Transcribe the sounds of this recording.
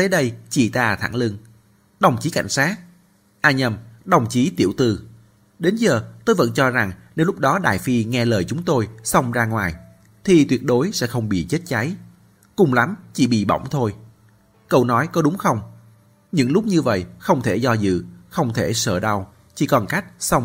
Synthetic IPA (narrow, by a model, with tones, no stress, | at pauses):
t̪ə˨˦jɗə˧jt͡ɕi˧˩t̪aː˧t̪ʰa̰˧˩ŋlɨ˧ŋ | ɗə˨˩wŋ͡mt͡ɕi˨˦ka̰˧˩jŋ̟saː˦˥t̚ | ʔaː˧ɲə˧mɗə˨˩wŋ͡mt͡ɕi˨˦t̪i˧˩əwt̪ɨ˨˩ | ɗe˨˦nzəː˨˩t̪o˧jvə̰˧˥nt͡ɕɔ˧za˨˩ŋne˨˦wlʊ˥k͡p̚ɗɔ˨˦ɗaː˧˨˩jfi˧ŋɛ˧ləː˨˩jt͡ɕʊ˨˦ŋ͡mt̪o˧jsa˧wŋ͡mzaː˧ŋwaː˨˩j | t̪ʰi˨˩t̪wi˨˩ət̚ɗo˨˦jsɛ̰˧˥xə˧wŋ͡mɓḭ˧˨t͡ɕe˦˥t̚t͡ɕa˨˦j | kʊ˨˩ŋ͡mla˨˦mt͡ɕi˧˩ɓḭ˧˨ɓɔ̰˧˩wŋ͡mt̪ʰo˧j | kə˧wnɔ˨˦jkɔ˨˦ɗʊ˨˦ŋ͡mxə˧wŋ͡m | ɲɨ̰˧˥ŋlʊ˦˥k͡p̚ɲɨ˧və̰˧˨jxə˧wŋ͡mt̪ʰe˧˩zɔ˧zɨ̰˧˨xə˧wŋ͡mt̪ʰe˧˩səː˧˩ɗa˧w | t͡ɕḭ˧˩kɔ˨˩nka˦˥jk̚sa˧wŋ͡m